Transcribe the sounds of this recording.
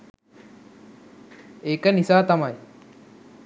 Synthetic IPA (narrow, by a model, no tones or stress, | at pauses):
ekɐnisaːt̪ɐmaj